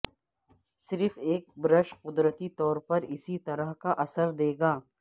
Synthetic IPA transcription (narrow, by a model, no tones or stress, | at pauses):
sɪɾfeːk̚bɾəʃqʊd̪ɾət̪it̪ɔːɾpɐɾɪsit̪ɐɾəɦkaʔɐsəɾd̪eːɡaː